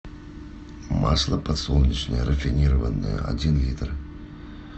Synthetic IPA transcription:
ma̰slˠəpɐt̪solˠnʲit͡ɕnəjəɾʔəfʲinʲiɾəvənːɨ̰jə̰ɐ̰dʲinlʲit̪r

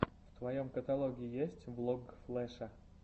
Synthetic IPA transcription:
ft̪vɐjomkət̪ɐlˠoɡʲɪɪjesʲtʲblˠoɡflˠɛʂɐ

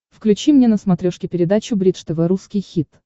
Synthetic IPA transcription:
fklʲʉt͡ɕimnʲenəsmɐt̪ɾʲoʂkʲɪpʲɪɾʲɪd̪at͡ɕʊbɾʲit̪ʂt̪əvɛɾuskʲɪjxʲit̪

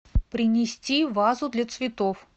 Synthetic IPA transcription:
pɾʲɪnʲɪsʲtʲivazʊd̪lʲɐt̪svʲɪt̪of

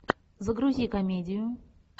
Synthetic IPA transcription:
zəɡɾʊzʲikɐmʲedʲɪjʊ

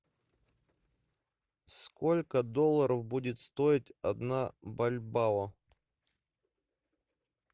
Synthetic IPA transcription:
skolʲkəd̪olˠːəɾəfbudʲɪt̪st̪o̞ɪtʲɐd̪nabɐlʲbavə

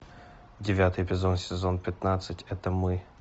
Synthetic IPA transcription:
dʲɪvʲat̪ɨjpʲɪzonsʲɪzonpʲɪt̪nat̪sɨtʲɛt̪əmɨ

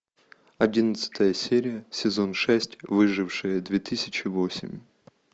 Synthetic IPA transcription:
ɐdʲinət̪sɨ̥t̪ʰəjəsʲeɾʲɪjəsʲɪzo̞nʂɛsʲtʲvɨʐɨfʂɨjəd̪vʲet̪ɨsʲɪt͡ɕɪvo̞sʲɪ̰mʲ

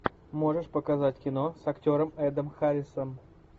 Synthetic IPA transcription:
mo̞ʐɨʂpəkɐzatʲkʲɪno̞sɐktʲo̞ɾəmɛd̪əmxaɾʲɪsəm

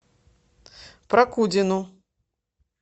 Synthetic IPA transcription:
pɾɐkud͡zʲinu

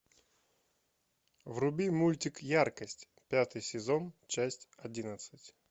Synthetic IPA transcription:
vrʊbʲimulʲtʲɪkjarkəsʲtʲ | pʲat̪ɨjsʲɪzont͡ɕasʲtʲɐdʲinət̪sɨtʲ

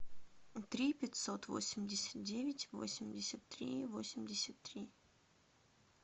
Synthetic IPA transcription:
t̪ɾʲipʲɪt̪ʲsot̪vo̞̰sʲɪmʲdʲɪsʲə̥t̪̚dʲevʲɪtʲvo̰sʲɪmʲdʲɪsʲət̪ːɾʲḭvo̞̰sʲɪmʲdʲɪsʲət̪ːɾʲi

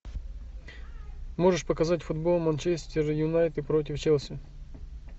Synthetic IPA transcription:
mo̞ʐɨʂpəkɐzatʲfʊd̪bo̞lˠmɐnt͡ɕesʲt̪ʲɪɾjʊnajt̪ɨpɾo̞t̬ʲɪft͡ɕelˠsʲɪ

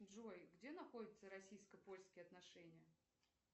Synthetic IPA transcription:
dʐojɡdʲe̞nɐxo̞dʲɪt̪səɾɐsʲijskəpo̞lʲskʲɪjəɐt̪nɐʂɛnʲɪjə

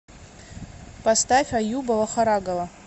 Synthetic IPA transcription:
pastafʲajubalˠaχaɾaɡalˠa

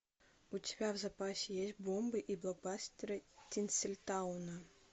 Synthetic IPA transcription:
utʲɪbʲavzapasʲɪjesʲt̚ʲbɔmbɨʔiblˠɔɡ̚basʲtʲɪɾɨtʲinsʲɨlʲt̪awnɐ

